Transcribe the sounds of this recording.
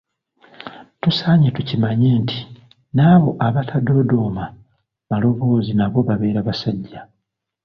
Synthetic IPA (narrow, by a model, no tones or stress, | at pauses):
tusaːɲetucimaɲeːntʰi̥ | naːβo̞ʔaβatʰado̞do̞ma | βalo̞βo̞ːzinaβo̞βaβe̞ːɾaβasaɟːa